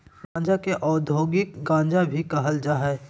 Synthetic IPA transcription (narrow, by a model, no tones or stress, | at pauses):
ɾãːd͡ʒakeʔɔːd̪ʱoːɡɪkɡãːd͡ʒabʱikɐɦəld͡ʒaːɦɛː